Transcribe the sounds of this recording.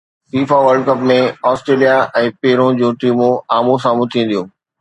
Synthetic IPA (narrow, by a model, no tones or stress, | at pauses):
fiːfaʋəɾɖ̚kɐpmẽɔːsʈɾeːlijaʔɛ̃ːpeːɾõd͡ʑõːʈiːmũaːmũs̬ãːmʊ̃t̪ʰĩːn̆d̪ijũː